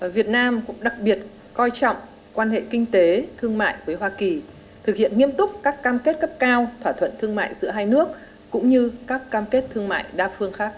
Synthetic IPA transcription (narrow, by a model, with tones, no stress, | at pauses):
vi˨˩ət̚naː˧mkʊ̰˧˥ŋ͡mɗa˨˩k̚ɓi˨˩ət̚ | kɔ˧jt͡ɕɔ̰˧˨wŋ͡m | kwaː˧nhḛ˧˨kï˧ŋ̟t̪e˨˦t̪ʰɨ˧əŋma̰ː˧˨jvəː˨˦jɦwaː˧ki˨˩ | t̪ʰɨ˨˩k̚hḭ˧˨ənŋi˧əmt̪ʊ˦˥k͡p̚kaː˦˥kːaː˧mke˦˥t̚kə˦˥p̚kaː˧wt̪ʰwaː˧˩t̪ʰwə̰˧˨nt̪ʰɨ˧əŋma̰ː˧˨jzɨ̰˧˥əɦaː˧jnɨ˦˥ək̚ | kʊ̰˧˥ŋ͡mɲɨ˧kaː˦˥kːaː˧mke˦˥t̚t̪ʰɨ˧əŋma̰ː˧˨jɗaː˧fɨ˧əŋxaː˦˥k̚